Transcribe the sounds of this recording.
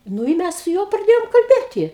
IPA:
ˈnʊ ɪ ˈmʲæs sʊ ˈjuɔ prɐˈdʲeːjoːm kɐlʲˈbʲeːtʲɪ

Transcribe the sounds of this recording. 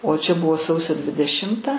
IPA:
oː t͡ʃʲɛ ˈbʊʋoː ˈsɐʊsʲoː dʲʋʲɪdʲɛˈʃʲɪmtɐ

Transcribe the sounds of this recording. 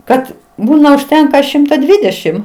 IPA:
ˈkɐt ˈbuːnɐ ʊʃʲˈtʲɛŋkɐ ˈʃʲɪmtɐ ˈdʲʋʲiːdʲɛʃʲɪm

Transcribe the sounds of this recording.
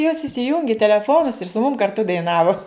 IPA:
joːs ɪsʲɪˈjʊŋʲɡʲɪ tʲɛlʲɛˈfoːnʊs ɪr sʊ mʊm kɐrˈtʊ dɐɪˈnɑːʋʊ

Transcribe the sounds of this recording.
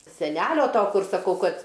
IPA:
sʲɛˈnʲæːlʲoː ˈtoː ˈkʊr sɐˈkɐʊ ˈkɐt

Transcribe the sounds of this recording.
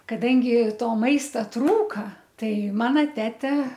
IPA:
kɐˈdɐŋʲɡʲɪ ˈtoː ˈmɐɪstɐ ˈtruːkɐ ˈtɐɪ ˈmɑːnɐ ˈtʲæːtʲɛ

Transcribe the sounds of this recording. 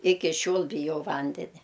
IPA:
ˈɪkʲɪ ˈʃʲoːlˠ bʲɪˈjɛʊ ˈʋɐnʲdʲɛnʲɛ

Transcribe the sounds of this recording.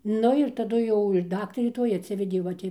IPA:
ˈnʊ ɪr tɐˈdʊ ˈjɛʊ ɪr ˈdɑːktɐrʲeː ˈtoːj ɐtʲˈsʲɪʋʲɛdʲeː ˈʋɐ tʲɪ

